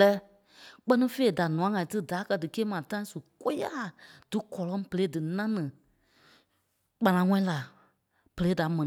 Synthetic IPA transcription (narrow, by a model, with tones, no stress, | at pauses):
ɛː˨˦ | k͡pɜ˦nĩ˦fe˦˨da˨nũ˨ã˨˦ŋã˨ĩ˨˦tɨ˦da˨˦kɜ˧dɨ˨keː˦mã˨tã˦ĩ˦su˨ko˦ja˦˨d̥ɨ˨˦kɔ˨lɔ̃˦pə˨le˨˦dɨ˨nã˦nɨ̃˨ | k͡pã˨lã˨˦ŋɔ̃˦ĩ˦la˨ | pə˨le˨˦da˨˦mɛ̃˨n˨